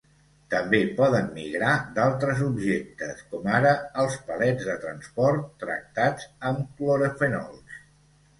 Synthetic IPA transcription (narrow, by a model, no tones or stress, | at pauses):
t̪əmbepɔðəmːḭɣɾad̪alˠt̪ɾəzubʒɛk̚t̪əskɔmaɾəəlˠspəlɛd͡zðət̪ɾənspɔɾt̪ːɾə̰k̚t̪ad͡zəmkloɾəfənɔ̰lˠs